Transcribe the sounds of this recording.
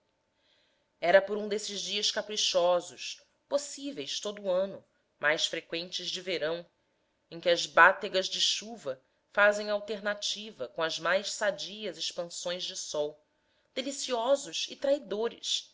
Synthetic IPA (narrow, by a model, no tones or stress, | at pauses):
ɛɾɐpoɾũd̪esɪzd͡ʒiɐskapɾiʃɔzʊʃ | posivejst̪od̪ʊːɐ̃nʊ | majsfɾekwẽnt͡ʃɪzd͡ʒɪveɾɐ̃w̃ | ẽj̃kʲɪɐzbat̪eɡɐzd͡ʒɪʃuvɐ | fazẽj̃awt̪eɾnat͡ʃivɐkõɐzmajʃsad͡ʒiɐzɪʃpɐ̃sõj̃zd͡ʒɪsɔw | d̪̥elisiɔzʊʃɪt̪ɾaid̪oɾɪ̰s